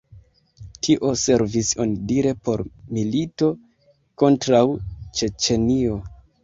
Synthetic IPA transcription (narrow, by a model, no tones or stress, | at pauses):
tʰiʔo̞se̞ɾviso̰ndiɾe̞po̞ɾmilito̞ | ko̞ntɾawt͡ʃe̞t͡ʃe̞nio̞